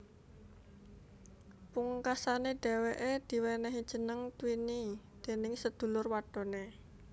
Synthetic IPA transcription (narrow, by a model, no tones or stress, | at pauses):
puŋkasaneɖ̥e̤weʔed̪̥i̤wɛnɛɦid̥ʒ̥ə̤nəŋt̪winid̪̥e̤nɪŋsəd̪̥ṳlʊrwaɖ̥ɔ̤ne